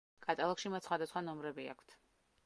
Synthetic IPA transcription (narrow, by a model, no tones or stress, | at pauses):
kʼat̪ʼalˠɔkʃimat̪sχwad̪asχwanɔmɾɛbia̰kʰt̪ʰ